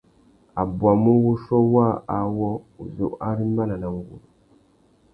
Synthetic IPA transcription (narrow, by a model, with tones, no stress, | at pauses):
a˨bwa˨mu˦wu˦ʃɔ˦wa˦a˨wɔ˦u˨zɔ˨ʔa˦ɾi˦mba˦na˨na˨ŋɡṵ˨lu˨